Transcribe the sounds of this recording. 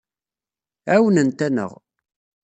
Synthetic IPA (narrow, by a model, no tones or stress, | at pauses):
æwənənt̪ænə̰ʁ